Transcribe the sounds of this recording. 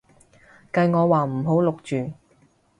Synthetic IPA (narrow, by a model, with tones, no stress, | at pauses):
kɐ˧jŋɔː˨˧waː˨˩m̩˨˩ɦo˨˥wlʊ˨k̚t͡ʃyː˨˩